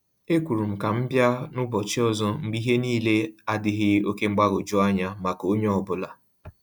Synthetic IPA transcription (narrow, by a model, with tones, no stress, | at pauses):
e˦kʷu˨ɾu˨m̩˨ka˨m̩˦bja˦nʊ˦bɔ˨t͡ʃɪ˦ɔ˦zɔ˦ŋ͡m̩˦ɡ͡bi˦ɦe˦niː˦le˦a˦dɪ˦ɦɪ˦o˦ke˦ŋ͡m̩˦ɡ͡ba˦ɡo˨d͡ʒʊ˦a˦ɲa˦ma˨ko˦ɲe˦ɔ˨bʊ˦la˨